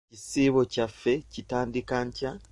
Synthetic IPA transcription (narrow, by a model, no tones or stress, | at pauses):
cisiβo̞cafe̞citaːndikaɲca